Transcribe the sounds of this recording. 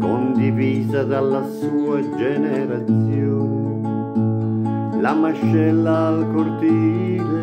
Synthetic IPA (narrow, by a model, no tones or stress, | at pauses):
kond̪iviːzad̪alːasuːad͡ʒeneɾat̪sjo | lamaʃːɛlːaːlkoɾt̪ile